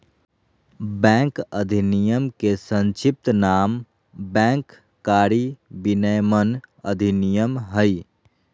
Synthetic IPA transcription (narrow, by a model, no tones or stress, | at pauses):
bɛ̃ŋkəd̪ʱinijəmkesə̃nt͡ʃip̚t̪naːm | bɛ̃ːŋkː | aːɾibinəjmənəd̪ʱinijəmɦəj